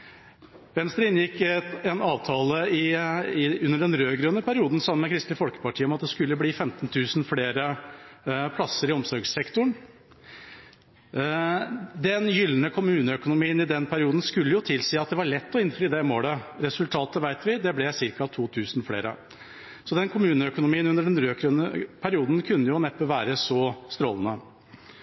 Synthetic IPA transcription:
mɛnsd̪ɛɪnjɪkːɛnɑːʋt̪ʰɑːləɪɪʉnːəɖɛnɾøːɡɾʉːənəpʰæɾɪuːd̪n̩sɑmmɛkʰɾɪst̪əfɔlkə̥pɑʈʰiːəɔmɑt̪d̪ɛskʉlːəbliːfɛmt̪nt̪ʰʉːsnfleːɾə | pʰlɑsːəɾɪɔmsɔɾɡsɛkt̪ʊɳ | d̪ɛnjʏlːənəkʰʊmʉːnəœkʊnʊmiːənɪd̪ɛnpʰæɾɪuːd̪n̩skʉlːəjʊt̪ʰɪlsiːɑt̪̚d̪ɛʋɑɭɛt̪ːɔɪnfɾɪd̪ɛmoːləɾɛsʉlt̪ʰɑːt̪əʋæɪt̪ʋɪd̪ɛblɛsɪɾkɑt̪ʰuːt̪ʰʉːsnfɽḛːɾə̰ | sɔd̪ɛnkʰʊmʉːnəœkʊnʊmiːənʉnəɖɛnɾøːkʰɾʉnəpʰæɾɪuːd̪nkʰʉnːəjʊnɛpːəʋæːɾəsɔst̪ɾoːlən̩ə

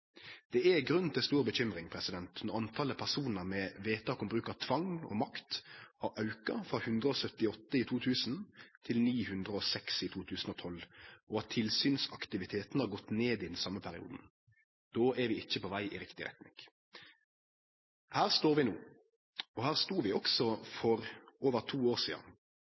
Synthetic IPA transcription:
d̪̥ɛɛɡɾʉnt̪ʰɪlst̪uːʁbəçʏmɾɪŋpʰɾɛsɪd̪ɛnt̪nɔʁɑnt̪ʰɑləpʰæʁsuːnəʁmɛʋeːt̪ʰɑːkʊmbɾʉːkəʁt̪ʰʋɑŋɔ̰mɑkt̪hɑɾʔɑʉkɑfɾɑhʉnd̪ʁəɔːsœt̪ɪɔt̪ːəɪt̪ʰuːt̪ʰʉːsn̩t̪ʰɪlniːhʉnd̪ʁəɔsɛksɪt̪ʰuːt̪ʰʉːsn̩ɔːt̪ʰɔlɔɑt̪ʰːɪlsyːnsɑkt̪ɪʋɪt̪ʰeːt̪nhɑɾɡɔt̪ːneːd̪ɪd̪ɛnsɑmːəpʰæɾɪṵːd̪n̩ | d̪̥oːʔɛɾʋɪɪçːəpɔʋæɪʔɪɾɪkt̪ɪɾɛ̰t̪nɪ̰ŋ | hæːʁst̪oːɾʋɪnuː | ɔhæːʁst̪uːʋɪɔksɔfɔɾoːʋəʁt̪ʰuːoːʁsiːd̪ə̰n

